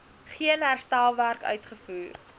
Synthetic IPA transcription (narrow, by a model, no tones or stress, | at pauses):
χiənɦærstælˠværkœ̰ɥtχəfuːr